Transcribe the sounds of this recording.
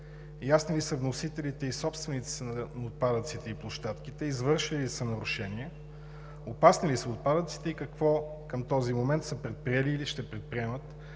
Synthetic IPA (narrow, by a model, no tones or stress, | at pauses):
jasnilisəvnosit̪ɛlit̪ɛisɔpst̪vɛnit̪si̥səənot̪̚pad̪ət̪sit̪ɛiplˠoʃt̪at̪k̟it̪ɛizvɤɾʃilisənɐɾʊʃɛniɛ | opasnilisɐot̪̚pad̪ət̪si̥t̪ɛikɐkvɔ | kəmt̪ɔzimomɛnt̪səpɾɛt̪̚pɾiɛliːliʃt̪ɛpɾɛt̪̚pɾiɛmət̪